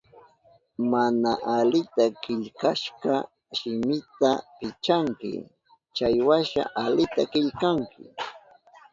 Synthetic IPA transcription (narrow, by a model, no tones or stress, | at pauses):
manaʔalɪt̪akɪʎkaʃɢɑ | ʃɪmɪt̪apɪt͡ʃaŋkɪ̰ | t͡ʃajwaʃa̰ʔalɪt̪akɪʎkaŋkɪ